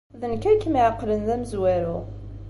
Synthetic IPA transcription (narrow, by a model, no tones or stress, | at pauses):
ðənkækːmiʕəqːlənðæməzwæɾʊ